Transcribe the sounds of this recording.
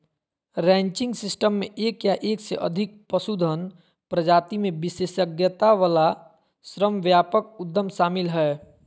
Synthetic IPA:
ɾɛ̃ːɲt͡ʃɪ̃ŋɡsɪsʈəmːẽʔeːkjaʔeːksḛʔə̰d̪ʱɪk̚pəsud̪ʱən | pɾəd͡ʒaːt̪imẽbɪseʃəɡjət̪aʋala | sɾəmʋjaːpəkʊd̪ʱːəmʃaːmɪlɦɛ

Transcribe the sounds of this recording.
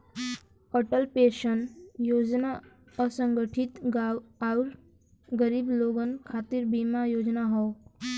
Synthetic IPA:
əʈəlpeɕənjod͡zna | əsəŋɡəʈʰit̪ɡaauɾ | ɡəɾiːbloɡənkʰat̪iːɾbimajod͡znaɦɔ

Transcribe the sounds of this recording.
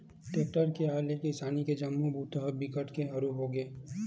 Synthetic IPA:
ʈeːʈəɾkeɦaːlekisaːniked͡ʒɐmːubuːt̪əɦəbɪkəʈkeɦɐɾuɦoːɡeː

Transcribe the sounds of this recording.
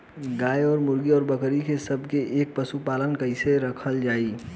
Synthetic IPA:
ɡaːjɔːɾmʊɾɡiɔːɾbəkɾikesəbʱkeʔeːk̚pəsupaːlənkəɪseɾəkʰəld͡ʒaːi

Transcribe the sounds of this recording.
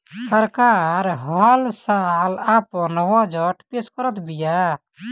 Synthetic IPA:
səɾkaːɾɦɔlsalapɔ̃nɔwɔ̃d͡ʒɔʈpeskɔɾət̪bija

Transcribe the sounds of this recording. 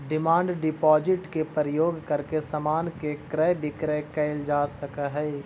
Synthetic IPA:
ɖɪmãːɳɖɖɪpɔːd͡ʒɪʈkepəɾəjoːɡkɐɾkesɐmaːnkekɾəbʱɪkɾɛkɐɪld͡ʒaːsɐkəɦɛː

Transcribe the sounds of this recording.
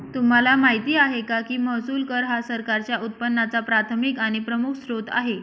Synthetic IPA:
t̪um̤alamaɦit̪iːaɦekakiːməɦsuːlkəɾɦasəɾkaɾt͡ɕjaut̪̚pənːat͡sapɾat̪ʰəmikaɽ̃ipɾəmukʰsɾot̪a̰ɦe

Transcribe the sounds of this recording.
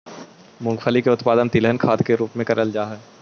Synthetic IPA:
mʊ̃ŋɡfʰəlikeʊt̪paːd̪ənt̪ilɦənkʰaːd̪keɾuːpmẽkɐɾəld͡ʒaːɦɛː

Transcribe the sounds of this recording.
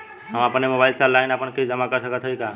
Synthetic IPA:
ɦəməpnemobaɪlsalaɪnəpənked͡ʒəmakəɾsəkət̪ɦəika

